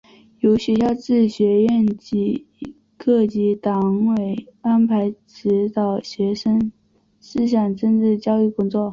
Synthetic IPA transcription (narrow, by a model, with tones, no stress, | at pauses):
jo˧˥ʊɕɥɛ˧˥ɕjɑ˥˧ʊʈ͡ʂɻ̩˥˩ɕɥɛ˧˥jɛ˥˩nt͡ɕi˧˥ | kʰɤ˥˩t͡ɕi˧˥t̪ɑ˧˥ŋwe˨˩ɪa˥npʰa˧˥ɪʈ͡ʂɻ̩˧˥t̪ɑ˨˩ʊɕɥɛ˧˥ʂə˥ŋ | ʂɹ̩˥˧ɕjɑ˨˩ŋʈ͡ʂə˥˧nʈ͡ʂɻ̩˥˩t͡ɕjɑ˥ʊy˥˩kʊ˥ŋt͡swɔ˥˩